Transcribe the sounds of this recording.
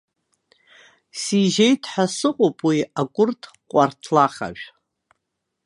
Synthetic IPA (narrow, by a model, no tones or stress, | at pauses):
siʒejtʰʼħasɨqʼopʼwiakʷʼʊrtʰ | qʷʼartʰlaχa̰ʒᶣʷ